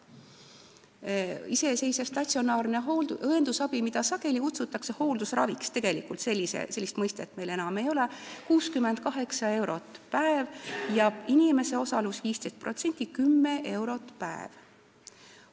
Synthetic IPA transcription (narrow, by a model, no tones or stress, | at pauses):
ise̞se̞jsɑst̪ɑt̪sio̞nɑːrne̞ɦoɤend̪̥usɑb̥imid̪̥ɑsɑke̞likut̪sut̪ːˑɑkse̞ho̞ːld̪usrɑ̰vikst̪e̞ɡ̥e̞likult̪se̞lːisḛse̞lːist̪mɤjst̪et̪ːˑme̞jlenɑme̞jo̞lekuːskymːend̪̥̚kɑɦe̞ksɑe̞wɾo̞t̪ːˑpæevjɑinime̞se̞o̞sɑlusviːst̪e̞jst̪̚pro̞t̪se̞nʲt̪ʲːˑikymːeʔe̞wɾo̞t̪ˑpæ̰ḛv̥